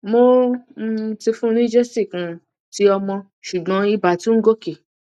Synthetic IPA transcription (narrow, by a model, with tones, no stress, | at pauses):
mo˦ | ti˧fũ˦nĩ˦d͡ʒɛ˦si˦˨kũ˨˧ | ti˦ɔ˧mɔ̃˧ | ʃu˨ɡ͡bɔ̃˨˦i˧ba˨tĩ˦ŋ̩˦ɡo˦ke˨